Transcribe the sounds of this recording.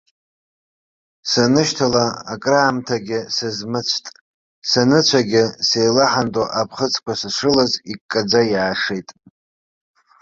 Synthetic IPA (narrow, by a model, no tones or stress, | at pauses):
sanɨʃtʰalaa̰kʼraːmtʰaɡʲɪsɨzmɨt͡sʷʰtʼ | sanɨt͡ɕʷʰaɡʲɪse̞jlaħantʼoʔapʰχət͡sʰʼkʷasaʂʷɨlazikʼːad͡zajʕaʂejtʼ